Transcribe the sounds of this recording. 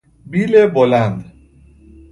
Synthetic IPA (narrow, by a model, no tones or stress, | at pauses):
biːlebolænd̪